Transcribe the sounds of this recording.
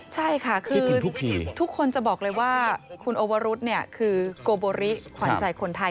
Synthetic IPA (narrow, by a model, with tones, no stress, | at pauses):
t͡ɕʰa˥˩jkʰa˥˩kʰɯː˧˦˧u˦˥iː˧t̪ʰu˦˥kʰːo˧nt͡ɕa˨˩bɔː˨˩k̚lɤː˧jwaː˥˩kʰu˧nʔoː˧wa˧˥ɾu˦˥t̪̚ni˥˩ɐkʰɯː˧koː˧boː˧ɾi˦˥kʰwaː˨˦˧nt͡ɕa˧jkʰo˧nt̪ʰa˧j